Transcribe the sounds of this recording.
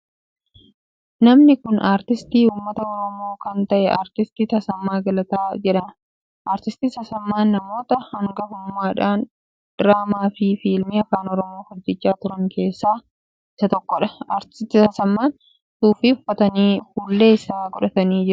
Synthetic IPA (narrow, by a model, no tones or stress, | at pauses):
nɐmnɪkʊnʔaːɾt̪ɪst̪iːuːmːɐt̪ɐɔɾɔmo̞ːkɐnt̪ɐʔɛʔaːɾt̪ɪst̪it̪ɐsɐmːaːɡɐlɐt̪aːd͡ʒɛᶑɐn | ʔaːɾt̪ɪst̪iːsɐsɐmːaːnːɐmo̞ːt̪ɐhɐŋɡɐhʊmːaːᶑaːn | d̪̥ɾaːmaːfɪfiːlmɪɐkaːnɔɾɔmo̞ːhɔd͡ʒːɪt͡ʃːaːt̪ʊɾɐŋkʰe̞ːsːaː | ɪsɐt̪ɔkːɔᶑɐ̥aːɾt̪ɪ̥st̪ːɪt̪ɐsɐmːaːn | suːfɪʊfːɐt̪ɐniːfuːlːe̞ːɪsaːɡɔᶑɐt̪ɐniːd͡ʒɪɾʊ